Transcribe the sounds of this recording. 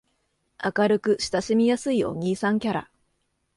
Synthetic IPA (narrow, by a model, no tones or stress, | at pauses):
akaɾɯ̟kɯ̟ɕi̥t̪aɕimʲijasɨio̰ŋ̟ʲiːsãŋkʲaɾa̰